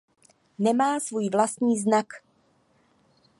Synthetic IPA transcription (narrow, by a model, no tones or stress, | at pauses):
nɛmaːsvuːjvlast̪ɲiːznak